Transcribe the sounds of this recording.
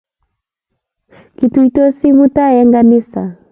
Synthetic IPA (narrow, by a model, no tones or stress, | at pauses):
kituitɔsiβutajɛŋɡanisa